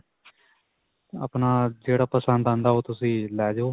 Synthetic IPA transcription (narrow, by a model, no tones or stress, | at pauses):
ə̰pnaːd͡ʒeːɽaːpəsə̃nd̪ãːnd̪aːɦoːt̪ʊsĩːlɛːd͡ʒoː